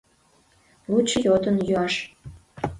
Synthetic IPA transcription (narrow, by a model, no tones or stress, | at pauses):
lut͡ɕːəjot̪ənjyɑʃ